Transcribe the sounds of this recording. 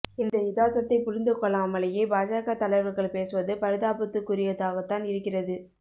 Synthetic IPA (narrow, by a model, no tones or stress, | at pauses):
ɪnd̪ɐɪðaːt̪ːɐt̪ːɐɪpʊɾɪnd̪ɯkːɔɭːɐɐmɐlɐjeːbaːd͡ʒaːɣat̪ɐlɐɪʋɐɾɣɐɭpeːsɯʋɐðɯpɐɾɯðaːbɐt̪ːɯkːʊɾɪjɐðaːɣɐt̪ːaːnɪɾɯkːɪrɐðɯ